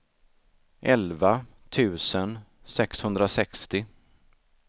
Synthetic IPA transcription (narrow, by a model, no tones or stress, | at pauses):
ʔɛlva | t̪ʰʉ̟ːsən | sɛkshɵnd̪ɾasɛkst̪ɪ